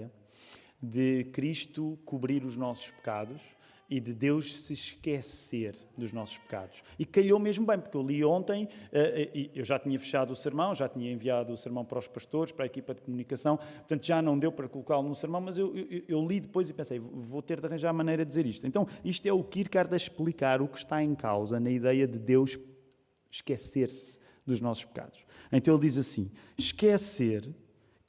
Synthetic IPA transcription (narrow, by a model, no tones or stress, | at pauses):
ɐ | ðɨkɾiʃt̪ukuβɾiɾuʒnɔsu̥ʃpɨ̥ka̰ðuʃ | iðɨðewʃsɨʃkɛseɾ | d̪uʒnɔsu̥ʃpɨ̥ka̰ðuʃikɐʎomeʒmubɐ̃j̃puɾkewlˠiõnt̪ɐ̃j̃ɛɛʔiewʒat̪iɲɐfɨ̥ʃaðusɨɾmɐ̃w̃ʒat̪iɲɐẽviaðuːsɨɾmɐ̃w̃pɐɾɔʃpɐʃt̪oɾʃpɐɾaekipɐðkumunikɐsɐ̃w̃pɾt̪ɐ̃nt̪ʒanɐ̃w̃d̪ewpɐɾɐkulˠukaɾlˠunusɨɾmɐ̃w̃mɐzewʔewʔewewlˠiðɨpojzipẽsɐjvot̪eɾd̪ɐʁɐ̃ʒaɾmɐnɐjɾɐd̪d̪izeɾiʃt̪uẽnt̪ɐ̃w̃iʃt̪wɛukiɾkaɾðɐʃplˠikaɾukʃt̪aẽka̰wzɐnɐiðɛjɐðɨd̪ewʃː | kɛseɾs | d̪uʒnɔsuʃpɨ̥ka̰ðuʃẽt̪ɐ̃elˠd̪izɐsḭ̃ | ʃkɛseɾ